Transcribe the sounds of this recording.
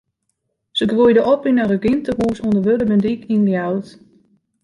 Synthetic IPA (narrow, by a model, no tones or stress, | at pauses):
səɡʋujdəʔɔpinarəɡɪntəruːsɔndəʋødəbəndikʰinljawt